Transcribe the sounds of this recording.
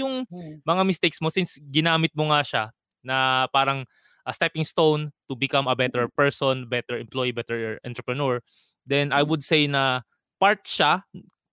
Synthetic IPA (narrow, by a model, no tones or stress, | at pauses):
jʊŋmɐŋamɪst̪ejk̚smosɪnsɡɪnaːmɪt̪̚moŋaʃa | nɐpaːɾɐŋ | ʔst̪ɛpɪŋst̪ownt̪ʊbɪkɐmɐbɛt̪ɛɹpɛɹsɔnbɛt̪ɛɹɛmplojibɛt̪ɛɹʔɐ̃nt̪ɾɛpɹɐnoɹ | d̪ɛnʔɐjwʊd̪̚sejnɐ | paɹt̪̚ʃa